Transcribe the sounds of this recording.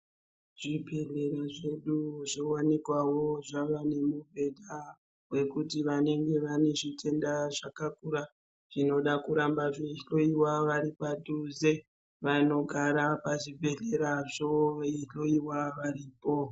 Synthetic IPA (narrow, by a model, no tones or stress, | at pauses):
ʐ̥ibʱe̞ɮe̞ɾaʐe̞ɗuʐowanekwawo̞ʐaʋane̞mubʱe̞dʱa | we̞kutiʋane̞ŋɡe̞ʋane̞ʐitʰe̞ndaʐakakuɾa | ʐ̥ino̞ɗakuɾambaʐeɬo̞iwaʋaɾipadʱuze̞ | ʋano̞ɡʱaɾapaʐibʱe̞ɮe̞ɾaʐoiɬo̞iwaʋaɾiːpo̞